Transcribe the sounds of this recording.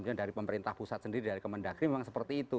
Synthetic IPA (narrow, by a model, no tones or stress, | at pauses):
ɲadaɾipəməɾint̪ahpusat̪̚səndiɾidaɾikəmandaɡɾimemaŋsəpərt̪iːt̪u